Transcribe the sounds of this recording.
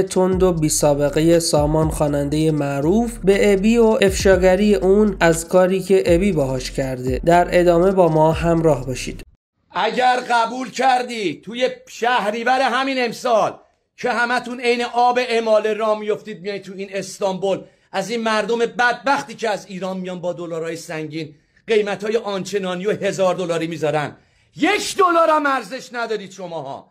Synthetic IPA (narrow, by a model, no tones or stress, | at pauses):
t̪ʰo̞nd̪obiːsɒːbe̞ɣe̞je̞sɒːmɒːnxɒːnænd̪e̞je̞mæʔɾufbe̞ʔebiːoe̞fʃɒːɟæɾijeʔunæzkʰɒːɾiːcʰe̞ʔebiːbɒɦɒːʃcʰæɾd̪e̞d̪æɾe̞d̪ɒːme̞bɒːmɒːɦæmɾɒːhbɒːʃḭːd̪̥ | ʔæɟæɾɢæbuːlcʰæɾd̪iːd̪̚t̪ʰujeʃæhɾiːvæɾe̞ɦæmine̞msɒːl | cʰe̞hæmæt̪ʰune̞jneʔɒːbe̞ʔemɒːleɾɒːmijo̞ft̪iːd̪̚mijɒjt̪ʰːuiːne̞st̪ɒmbo̞l | æzinmæɾd̪ome̞bæd̪̚bæxt̪iːcʰeæziːɾɒːnmijɒːnbɒːd̪olɒːɾhɒːjesæŋɟiːn | ɢ̥e̞jmæt̪hɒːjeʔɒnt͡ʃʰe̞nɒːnijo̞he̞zɒːɾd̪o̞lɒːɾiːmiːzɒːɾænd̪ | je̞kʰd̪olɒːɾæmæɾze̞ʃnæd̪ɒːɾiːd̪̥ʃo̞mɒːhɒ̰ː